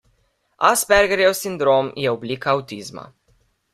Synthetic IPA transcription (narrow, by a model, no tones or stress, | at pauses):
asbɛɾɡɛɾjɛwsind̪ɾomjɛɔbliːkaːwt̪izma̰